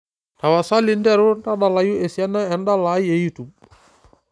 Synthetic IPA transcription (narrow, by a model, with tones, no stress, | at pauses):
ta˨wa˨sa˦li˨˦ndɛ˦ɾu˦nta˦ɗa˨la˨ju˦e˨si˦a˦na˦ɛ˨n˦da˦la˨˦je˨ji˦tu˨